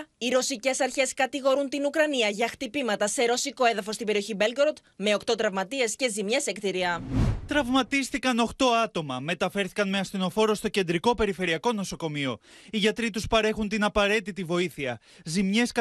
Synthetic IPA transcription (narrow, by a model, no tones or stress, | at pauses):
iɾo̞sice̞sɐɾçe̞skɐt̪iɣo̞ɾunt̪inukɾɐniɐʝɐxt̪ipimɐt̪ɐse̞ɾo̞siko̞e̞ðɐfo̞st̪imbeɾio̞çibe̞lɡɾot̪ | me̞o̞kt̪ot̪ɾɐvmɐt̪ie̞sce̞zimɲe̞sekt̪iɾiɐt̪ɾɐvmɐt̪ist̪ikɐno̞xt̪o̞ɐt̪o̞mɐme̞t̪ɐfe̞ɾθi̥kɐnmeɐst̪ino̞fo̞ɾo̞st̪o̞ce̞nd̪ɾiko̞pe̞ɾife̞ɾiɐko̞no̞so̞ko̞mio̞ | iʝɐt̪ɾit̪uspɐɾe̞xunt̪inɐpɐɾe̞t̪it̪ivo̞iθiɐ | zimɲe̞s